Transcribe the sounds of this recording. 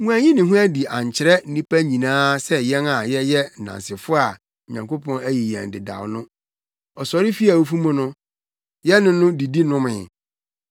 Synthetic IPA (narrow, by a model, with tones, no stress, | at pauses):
ŋũ˦æ˨ɲĩ˦nɪ̃˨ɦũʊ̃˦æ˦di˨ã˨ɲ˨t͡ɕʰɪ˨ɾɛ˦n̩˦ĩ˦pæ˦ɲĩ˨nãː˦sɛ˦jɛ˦na˨jɛ˦jɛ˦n̩˨nã̰˨nsɪ˨fʊ˦a˨ | ɲã˨ŋkʰo˦pʰɔ̃˦næ˦ji˨jæ̰̃˨n˨dɪ˨da̰˨wnʊ̃˦ | ɔ˨sɔ˨ɾɪ˦fi˦a˨o˦fu˦mʊ̃˦nʊ̃˦ | jɛ˦nʊ̃˦nʊ̃˦di˨di˦nʊ̃˦mɪ̰̃˨